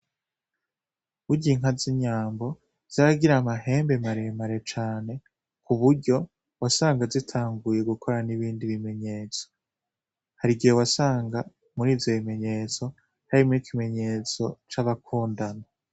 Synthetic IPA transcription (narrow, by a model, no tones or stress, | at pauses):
uɟiŋɦaziɲaːmbo̞ | z̥aɾaɡiɾamaɦe̞ːmbe̞maɾe̞maɾe̞t͡ʃaːne̞ | kuβuɾɟo̞ | wasaːŋɡazitʰaːŋɡuje̞ɡukʰo̞ɾaniβiːndiβime̞ɲe̞ːt͡so̥ | haɾiɡijowasaːŋɡa | muɾiːvjo̞βime̞ɲe̞ːt͡so̞ | haɾimikʰime̞ɲe̞ːt͡so̞t͡ʃaβakʰuːndana